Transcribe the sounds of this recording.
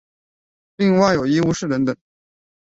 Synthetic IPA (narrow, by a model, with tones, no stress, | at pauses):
li˥˧ŋwa˥˩ɪjo˨˩ʊi˥u˧˥˧ʂɻ̩˥˩ɻə˧˥nt̪ɤ˨˩˦